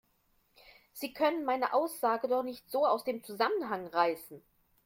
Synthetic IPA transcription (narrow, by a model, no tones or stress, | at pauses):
z̥iːkʰœnənmaɪnəʔaʊsz̥aːɡədɔχnɪçtz̥oːaʊsd̥eːmt͡suzamənɦaŋʁaɪsn̩